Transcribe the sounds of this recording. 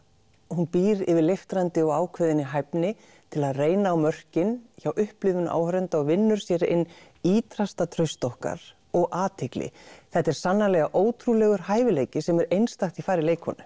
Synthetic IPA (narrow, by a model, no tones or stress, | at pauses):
hunpiːɾɪvɪɾlejft̪ɾant̪ɪɔɣaːwkʰvɛðɪnːɪɦajpnɪ | t̪ʰɪlaðreːjnaːwmœr̥cɪnçawʔʏhplʏːvʏnʔa̰ːwhɾɛnt̪aɔɣvɪnːʏɾ̥sjɛɾɪ̰nː | iːt̪ɾast̪at̪ʰɾœst̪ɔhka̰ɾ̥ | ɔɣʔaːt̪ʰɪklɪ̰θɛht̪ːɛɾ̥sanːalɛɣaʔoːwt̪ʰɾulɛɣʏɾ̥haːjvɪleːjcɪsɛmɛɾejnst̪axt̪ifaːɾɪleːjkʰhɔ̰nʏ